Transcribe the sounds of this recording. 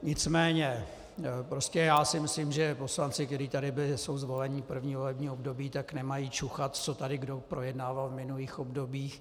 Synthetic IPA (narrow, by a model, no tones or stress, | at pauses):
ɲɪt͡smɛːɲɛ | pɾo̞scɛjaːsɪmɪsliːmʒɛpo̞slant͡sɪk̚t̪ɛɾiːt̪adɪbɪlɪso̞wzvo̞lɛɲɪpr̩vɲiːvolɛbɲiːobdo̞biːt̪aknɛmajiːt͡ʃuxat̪t͡so̞t̪adɪɡdo̞pɾo̞jɛdnaːvalvmɪnuliːxobdo̞biːx